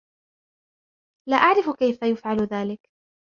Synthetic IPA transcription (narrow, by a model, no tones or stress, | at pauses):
laːʔaʕɾɪfkajfajʊfʕalʊðaːlɪk